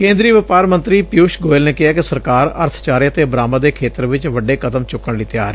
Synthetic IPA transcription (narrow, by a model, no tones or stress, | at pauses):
kẽːnd̪ɾiːəʋɪpaːɾmənt̪ɾiːpjuːʃɡoːɪlneːkɪɦaːkɪsəɾkaːɾə̰ɾt̪ʰt͡ʃaːɾijət̪eːbɾaːmad̪eːkʰeːt̪əɾʋɪt͡ʃʋəɖeːkəd̪əmt͡ʃʊkːəɳliːt̪jaːɾ